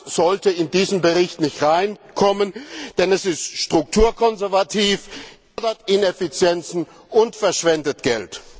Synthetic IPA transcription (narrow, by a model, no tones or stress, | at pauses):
z̥ɔltəɪndiːzəmbəʁɪçtnɪçtʁaɪnkʰɔmənd̥ɛnɛsɪstʃtʁ̥ʊk̚tʰuːɐkʰɔnzɛɐvatʰiːf | dɐtɪnefit͡sjɛnt͡sn̩ | ʔʊntfɛɐʃv̥ɛndətɡ̥ɛ̰lt